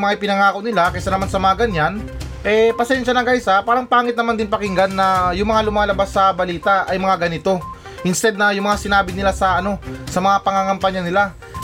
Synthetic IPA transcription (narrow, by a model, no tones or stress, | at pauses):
mɐŋaʔɪpɪnɐŋaːkownɪlakɐsanɐmansɐmɐaɡɐnːan | ʔɛpɐsɛnʃɐnɐɡasapaːɾɐŋpaːŋɪt̪nɐmand̪ɪnpɐkɪŋɡanːɐjʊŋmɐŋalʊmaːlɐbasːɐbɐliːt̪ɐʔɐjmɐŋaɡɐnɪt̪o̞ | hɪnst̪ɛd̪̚nɐjʊŋmɐŋasɪnaːbɪnɪlasɐʔɐno̞sɐmɐŋapɐŋaŋɐmpɐɲɐnɪla